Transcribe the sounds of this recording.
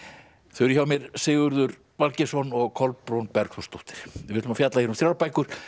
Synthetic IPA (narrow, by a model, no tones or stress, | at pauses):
θœɥɾʏçawmjɛɾsɪːɣʏɾðʏɾ | valcɛsɔnɔɣkʰɔlpːɾownpɛɾkθɔst̪ɔwht̪ɪ̥ɾ̥jɪɪt̪ʏmafjat̪lajɪɾʏmθɾawɾapaːjkʏɾ̥